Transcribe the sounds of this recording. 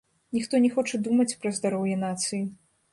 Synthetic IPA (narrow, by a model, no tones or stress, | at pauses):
nʲixt̪ɔnʲɛxɔt͡ʂɛd̪umɐt͡sʲpɾɐzd̪aɾɔwjɛnat̪sɨji